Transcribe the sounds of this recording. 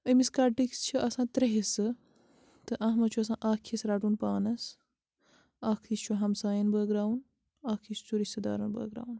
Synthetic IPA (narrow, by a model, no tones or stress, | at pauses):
ɐmiskaɾʈikst͡ʃʰiʔɐsãːt̪ɾɐɦisɨ | t̪ɨʔɐɦmɐt͡ʃʰuɐsãːʔaːkʰisɾaʈunpaːnɐs | aːkʰist͡ʃʰuɦɐmsaːjɐnbəːɡɾaːwn | aːkʰist͡suɾist̪ɐd̪a̰ːɾɐnbə̰ːɡɾa̰ːwn